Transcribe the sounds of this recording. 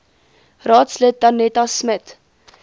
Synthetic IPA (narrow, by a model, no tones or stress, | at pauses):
rɑːtslət̚ːɐnɛtasmət